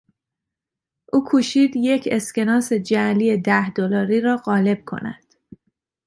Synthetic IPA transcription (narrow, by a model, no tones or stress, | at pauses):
ʔuːkʰuːʃiːd̪je̞cʰe̞sce̞nɒːse̞d͡ʒælije̞d̪æhd̪olɒːɾiːɾɒːɢɒːle̞b̥̚kʰo̞̰næ̰d̪̥